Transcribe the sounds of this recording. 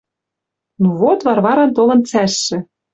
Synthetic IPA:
nuvot̪βɑrβɑɾɑnt̪olɤ̆nt͡sæʃːɘ̆

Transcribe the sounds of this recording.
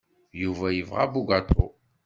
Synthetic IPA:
juvæjəvʁabuɡat̪ʰo

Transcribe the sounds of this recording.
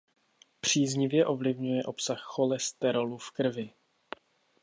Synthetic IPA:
pr̝̥iːzɲɪvjɛʔo̞vlɪvɲujɛʔo̞psaxːo̞lɛst̪ɛɾolufkr̩vɪ

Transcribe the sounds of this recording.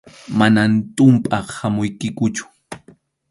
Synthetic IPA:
manant̪ʼʊmpʼɑχhamʊjkɪkʊt͡ʃʊ̥

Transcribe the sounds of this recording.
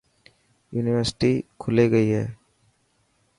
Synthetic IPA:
juːnɪʋəɾsʈikʰʊleɡəiɦɛ̰ː

